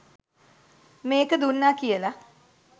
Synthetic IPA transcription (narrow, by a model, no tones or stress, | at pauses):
meːkəd̪unːaːkijəla